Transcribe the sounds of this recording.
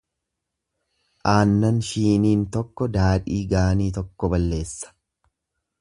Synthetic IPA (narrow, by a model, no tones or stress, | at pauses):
ʔaːnːɐnʃiːniːnt̪ɔkːɔd̪aːᶑiːɡaːniːt̪ɔkːɔbɐlːe̞ːsːɐ̥